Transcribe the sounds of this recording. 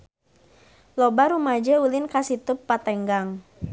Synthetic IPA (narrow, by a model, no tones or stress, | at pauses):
lɔbaɾumad͡ʒəulɪnkasit̪ʊpːat̪ɛŋɡaŋ